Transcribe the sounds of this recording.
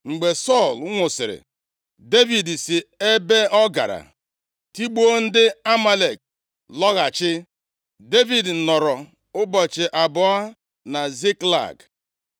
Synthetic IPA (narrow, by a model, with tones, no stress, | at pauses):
ŋ͡m̩˨ɡ͡be˨sɔ˦˨lŋʷʊ˨sɪ˨ɾɪ̰˨ | de˦vi˨dsɪ˨e˦be˦ɔ˦ɡa̰˨ɾa̰˨ | ti˦ɡ͡bo˦n̩˦dɪ˦a˦ma˦le˨k̚ | lɔ˦ɣa˨t͡ʃɪ˦ | de˦vi˨d̩˨nɔ˨ɾɔ˨ | ʊ˦bɔ˨t͡ʃɪ˨ʔa˨bʊ˨a˦ | na˨zi˦kla̰˨ɡ